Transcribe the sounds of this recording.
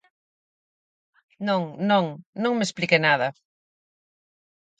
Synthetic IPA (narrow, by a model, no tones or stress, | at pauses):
nõŋnõŋnõŋmesplikenaðɐ